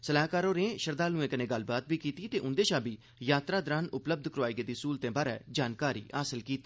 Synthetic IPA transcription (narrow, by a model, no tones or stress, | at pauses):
səlaːɦkaːɾoːɾẽːʃəɾd̪aːlnũːẽːkənẽːɡəlbaːt̪̚biːkiːt̪iːt̪eːʔʊnd̪eːʃaːbiː | jaːt̪ɾaːd̪ɾaːnʊpləb̚d̪ʱkəɾoaːiːɡeːd̪iːsuːlt̪ẽːbaːɾɛ̰ːd͡ʒaːnkaːɾḭːaːsɪlkiːt̪iː